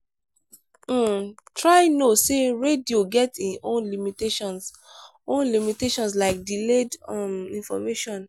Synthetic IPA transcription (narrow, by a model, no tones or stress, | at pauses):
tʰɹaɪnoseɹedioɡɛtiõnlimiteʃɔ̃ns | õnlimiteʃɔ̃ns̬laɪk̚diledamĩnfɔmeʃɔ̃n